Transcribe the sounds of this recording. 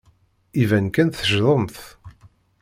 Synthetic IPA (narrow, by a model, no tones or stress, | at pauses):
ivænkænθəʒðˤəmθ